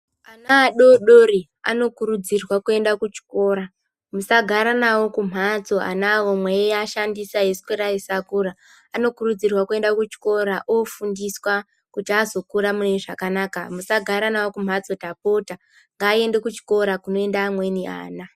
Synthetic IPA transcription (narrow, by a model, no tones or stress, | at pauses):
anaːɗoɗori | a̰no̞kuɾud͡zirwakue̞ndakut͡ʃi̥ko̞ːɾa | musaɡʱaɾanawo̞kum̤ʱat͡so̞a̰nawomwejejaʃandisaɦeskweɾaisakuɾa | ano̞kurud͡zirwakue̞ndakut͡ʃi̥ko̞ɾaʔofundiswa | kutiazo̞kuɾamuneʐakanakamusaɡʱaɾanawo̞kum̤at͡so̞tapota | ŋɡaːie̞nde̞kut͡ʃi̥ko̞ɾakuno̞e̞ndaːmwe̞niʔa̰ːna